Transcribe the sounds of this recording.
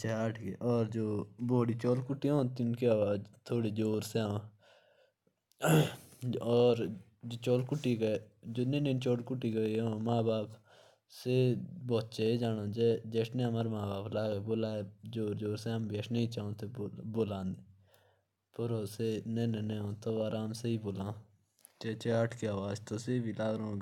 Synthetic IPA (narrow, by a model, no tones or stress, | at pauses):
t͡ʃʰaːəʈʰkeːʔɔːɾd͡ʒoːboːɽiːt͡ʃɔːlkʊʈːiːõːnt̪iʊnkiaːʋaːd͡ʒt̪ʰoːɽiːd͡ʒoːɾsẽ | ɔːɾ | d͡ʒoːt͡ʃɔːlkʊʈːiːɡəd͡ʒoːnẽːnẽːnt͡ʃɔːlkʊʈːiːɡəiomãːbaːp | seːboːt͡ʃeːeːd͡ʒaːnãːd͡ʒeːd͡ʒeːʈneaːmaːɾmãːbaːplaːɡeːboːlaːed͡ʒoːɾd͡ʒoːɾseambeːʃneːit͡ʃaːõːt̪ʰeːboːlãːnd̪e | pəɾoːseneːneneːõːt̪oaːɾaːmseiːboːlãː | t͡ʃeːt͡ʃeːəʈʰkeaːʋaːd͡ʒt̪oːseːbiːlaːɡɾoõ